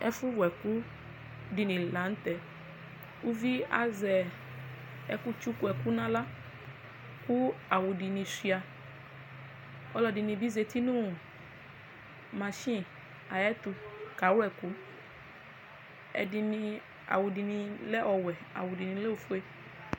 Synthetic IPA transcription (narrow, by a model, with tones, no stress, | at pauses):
ɛ̰˦fu˦wɛ˨ku˦ | di˨nĩ˨la˨˦n̩˦t̪ɛ˨ | wu˦vi˦a̰˨zɛ˨ | ɛ˨ku˦t͡ʃu˦ku˦ɛ˨ku˦nã˦la˦ | ku˦a˨wu˨di˨nĩ˨si˨a˨ | ɔ˦lɔ˨di˨nĩ˨bi˦ze˨t̪i˦nũ˦˨ | mã˨ʃĩ˦ | a˨jɛ˦t̪u˧ka˨˦wɛ˨ku˨˦ | ɛ̰˨di˨nĩ˨ | a̰˨wu˨di˨nĩ˨lɛ˦ʔɔ˨wɛ˨a̰˨wu˨di˨nĩ˨˦le˦wo˨fu˦e˦